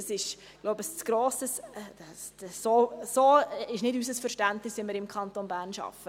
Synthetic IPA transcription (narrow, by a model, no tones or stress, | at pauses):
ɑsɪʃ | ɡ̥loʊbəst͡sɡ̥ɾoːsəs | soːsoːɪʃnɪdysəsfəɾʃtæntnɪsɪməɾɪmkʰɑnt̪onbæːɾnʃɑ̰fə